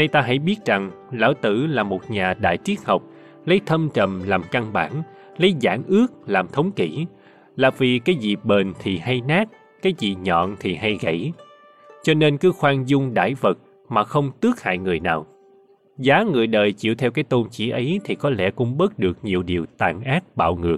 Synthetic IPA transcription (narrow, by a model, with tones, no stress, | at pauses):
na˧jt̪aː˧ɦa̰˧˥jɓi˦˥ət̚za˨˩ŋ | la̰ː˧˥˩wt̪ɨ˧˩laː˨˩mo˨˩t̚ɲaː˨˩ɗa̰ː˧˨jt͡ɕi˨˦˥ət̚hə˨˩wk͡p̚ | lə˨˦jt̪ʰə˧mt͡ɕə˨˩mlaː˨˩mka˧ŋɓa̰ː˧˩n | lə˨˦jza̰ː˧˩ŋʔɨ˦˥ək̚laː˨˩mt̪ʰə˨˦wŋ͡mki˧˩ | laː˨˩vi˨˩kaː˨˦jzḭ˨˩ɓe˨˩nt̪ʰi˨˩ha˧jnaː˦˥t̚ | kaː˨˦jzḭ˨˩ɲɔ̰˧˨nt̪ʰi˨˩ɦa˧jɣə̰˧˥˩j | t͡ɕɔ˧ne˧nkɨ˨˦xwaː˧ŋzʊ˧ŋ͡mɗa̰ː˧˩jvə˨˩t̚ | maː˨˩xə˧wŋ͡mt̪ɨ˦˥ək̚ha̰ː˧˨jŋɨ˨˩əjnaː˨˩w | zaː˨˦ŋɨ˨˩əjɗəː˨˩jt͡ɕḭ˧˨əwt̪ʰɛ˧wkaː˨˦jt̪o˧nt͡ɕḭ˧˥ʔə˨˦jt̪ʰi˨˩kɔ˨˦lɛ̰˧˩kʊ̰˧˥ŋ͡mɓə˦˥t̚ɗɨ˨˩ək̚ɲi˨˩əwɗi˨˩əwt̪aː˨˩nʔaː˦˥t̚ɓa̰ː˧˨wŋɨ˨˩ək̚